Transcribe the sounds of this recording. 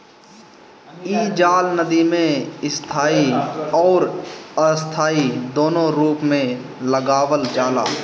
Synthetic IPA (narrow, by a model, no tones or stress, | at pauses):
iːd͡ʒaːlnəd̪imẽɪst̪ʰaːiɔːɾəst̪ʰaːid̪oːnõɾuːpmẽ | ləɡaːwəld͡ʒaːlaː